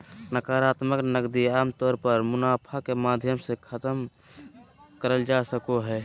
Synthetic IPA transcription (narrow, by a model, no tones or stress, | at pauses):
nəkaːɾaːt̪məknəɡd̪iaːmt̪ɔːɾpəɾmʊnaːpʰakemaːd̪ʱjəmsekʰət̪əm | kəɾəld͡ʒasəkoɦɛː